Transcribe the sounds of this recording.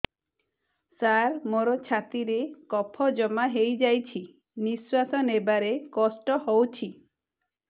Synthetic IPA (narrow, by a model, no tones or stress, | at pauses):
saɾmoɾɔt͡ʃʰat̪iɾekɔpʰɔd͡ʒɔmaɦejd͡ʒajt͡ʃʰi | niswasɔnebaɾekɔsʈɔhowt͡ʃʰi